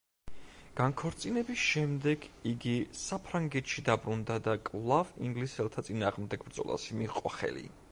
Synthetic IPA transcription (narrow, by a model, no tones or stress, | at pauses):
ɡ̥ankʰɔɾt̪sʼinɛbisʃɛmd̪ɛɡiɡisapʰɾaŋɡɛt̪ʃid̪abɾund̪ad̪akʼvlˠaviŋɡlisɛlˠt̪ʰat̪sʼinaːʁmd̪ɛɡbɾd̪zɔ̰lˠa̰simiqʼɔχɛ̰lḭ